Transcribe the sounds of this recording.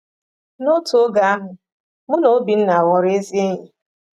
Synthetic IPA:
no˦to˦ɡa˨a˦ɦʊ˨ | mʊ˦no˨˦bi˨n̩˦na˨a˨wɔ˨ɾe˦zi˦e˦ɲi˨

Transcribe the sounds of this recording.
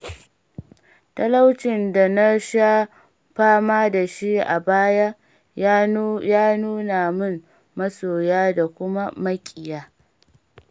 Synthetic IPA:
tɐ˦la˦wt͡ʃɪ˨nda˨na˦ʃa˦ | ɸaː˦maː˦da˨ʃi˦ʔa̰˨baː˦ja˦ | jaː˦nuː˦na˨mʊ˦n | mɐ˦soː˨jaː˦da˨kʷʊ˦ma˦mɐ˦kʲʼɪ˨jaː˦

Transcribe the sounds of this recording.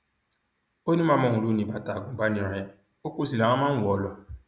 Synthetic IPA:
o˦nĩ˦mã˦˨mɔ˦˨ŋʷũ˨lu˦nĩ˨ba˨ta˨ɡũ˨ba˦nĩ˨ɾa˨ja˦ | o˦kʷo˦si˨la˨˦a˦mã˦wɔ˨˦lɔ˦

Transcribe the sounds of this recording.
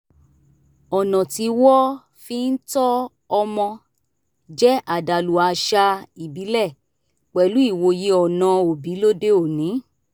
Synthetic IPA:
ɔ˨nɔ̃˨ti˨˧wɔ˦ | fi˦n̩˦tɔ˦ | ɔ˧mɔ̃˧ | d͡ʒɛ˦ʔa˨da˨lu˨a˨˧ʃa˧i˨bi˨˦lɛ˦˨ | k͡pɛ˨lu˨˦i˦˨wo˧je˨˦ɔ˨nã˨o˨bi˨˦lo˦de˦o˦˨nĩ˨˦

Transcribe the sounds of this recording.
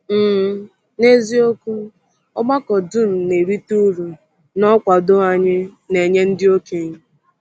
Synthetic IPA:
m̩˨ | ne˦zi˦o˦ku˦ | ɔ˦ɡ͡ba˦kɔ˨du˦˨m̩˨ne˨ɾi˦tu˦ɾu˨ | nɔ˦kʷa˨do˦a˨ɲɪ˦ne˨ɲe˦n̩˦dɪ˦o˦ke˦˨ɲɪ˦

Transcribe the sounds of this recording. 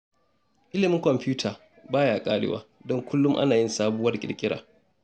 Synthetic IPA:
ʔɪ˦lɪ˨mɪ˦ŋkɔ˨mpuː˦tʰaː˨ | baː˦jaː˨kʼaː˦ɽɪ̰˦wa̰ː˦dɔ˦ŋkʷʊ˦lːʊ˦mʔa̰˦naː˨jɪ˦nsaː˦bʊː˦wɐ˦rkʲʼɪ̰˨ɽkʲʼɪ˦ɽaː˨

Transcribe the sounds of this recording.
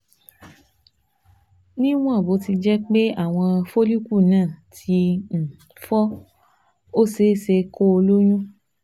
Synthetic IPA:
nĩ˦w̃ɔ̃˦˨bo˨˦ti˧d͡ʒɛ˦k͡pe˦a˦˨w̃ɔ̃˧fo˦li˦ku˦˨nãː˦˨tʰi˧n̩˨ | fɔ˦ | o˦se˦se˧ko˦o˧lo˦j̃ũ˦

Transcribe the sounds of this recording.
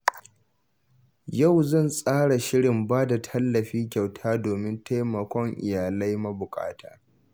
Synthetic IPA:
ja˦˨wzɐ˦˨nsʼaː˦ɽa˨ʃɪ˦ɽɪ˨mbaː˦da˨tʰɐ˦lːɐ˨ɸiː˦kʲa˨wtʰaː˦doː˨mɪ˦ntʰa˦jmɐ˨kʷɔ˦ŋʔɪ̰˨jaː˨lɐ˦jmɐ˦bʊ˨kʼa̰ː˦tʰaː˦

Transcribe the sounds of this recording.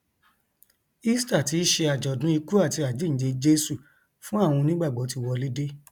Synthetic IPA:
i˦sta˦˨ti˧˨˦ʃe˧a˨d͡ʒɔ˨dũ˨˦i˧ku˦a˦˨ti˧a˨d͡ʒi˦˨n̩˨˦d͡ʒe˧d͡ʒe˦su˦˨ | fũ˦a˦˨w̃ɔ̃˧nĩ˦ɡ͡ba˦˨ɡ͡bɔ˨˦ti˧wɔ˧le˦de˦

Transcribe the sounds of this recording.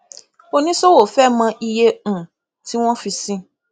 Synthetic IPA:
o˦nĩ˦so˦wo˨fɛ˦mã˧ʔi˧jẽ˧˨ | ti˦w̃ɔ̃˦fi˧sĩ˦

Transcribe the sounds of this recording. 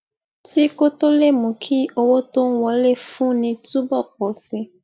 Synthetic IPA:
ti˦ko˦to˦le˦˨mũ˨kʰi˦o˧wo˦to˦wɔ˨˦le˦˨fũ˦nĩ˧tu˦bɔ˦˨k͡pɔ˨si˧

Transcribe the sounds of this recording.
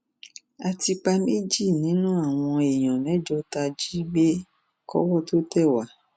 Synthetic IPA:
a˧ti˧k͡pa˧me˦d͡ʒi˦˨nĩ˨˦nũ˦a˦˨w̃ɔ̃˧e˨j̃ɔ̃˨mɛ̃˨˦d͡ʒɔ˦ta˧d͡ʒi˦ɡ͡be˦ | kɔ̰˦wɔ˦˨to˦tɛ˦˨wa˨˦

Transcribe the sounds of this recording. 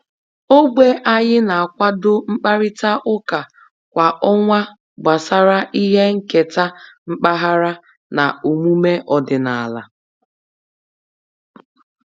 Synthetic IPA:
o˦ɡ͡bʷe˦ʔa˦ɲɪ˦na˨a˨kʷa˦dʊ˦ŋ͡m̩˦k͡pa˦ɾɪ˦ta˦ʔʊ˦ka˨ | kʷa˨ʔɔ˦ŋʷa˦ | ba˨sa˦ɾa˦ʔi˦ɦe˦ŋ̩˦ke˨ta˦ŋ͡m̩˦k͡pa˦ɦa˦ɾa˦ | na̰˨u˨mu˦me˦ʔɔ˨dɪ˨na˨a˨la̰˨

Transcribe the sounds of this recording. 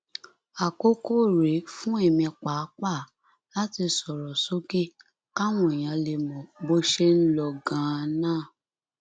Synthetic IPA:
a˨ko˦ko˦˨ɾe˨˦fũ˦e˦˨mĩ˧k͡pa˨˦k͡pa˦˨ | la˦ti˧sɔ˨ɾɔ˨so˨˦ke˦ | ka˦w̃ɔ̃˨e˨j̃ã˧le˧mɔ̃˨bo˦ʃe˦n̩˦lɔ˧ɡã˨˦˧nãː˦˨

